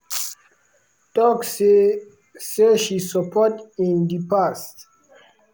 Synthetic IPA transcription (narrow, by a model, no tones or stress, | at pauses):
tɔks | seʃisəpʰɔtĩndipast